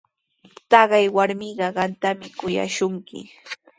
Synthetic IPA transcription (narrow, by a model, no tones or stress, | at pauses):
t̪ɑɢɑjwaɾmɪɢɑɢɑnt̪amɪkʊja̰ʃʊŋkɪ̰